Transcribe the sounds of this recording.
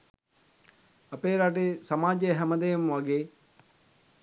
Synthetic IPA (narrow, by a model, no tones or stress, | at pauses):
ɐpeːɾaʈ̬esɐmaːd͡ʒejɦæməd̪ejmʋaɡeː